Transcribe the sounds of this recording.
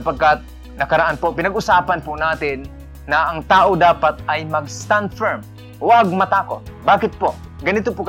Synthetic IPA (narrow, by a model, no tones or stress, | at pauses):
ɐpɐɡ̚kat̪̚ | nɐkɐɾaʔanpopɪnɐɡʔʊsaːpɐnpʊnaːt̪ɪnː | ɐʔɐŋt̪aːʔod̪aːpat̪̚ʔɐjmɐɡst̪and̪fɛɹm | waɡ̚mɐt̪aːkot̪̚baːkɪt̪̚po | ɡɐnɪt̪opʊk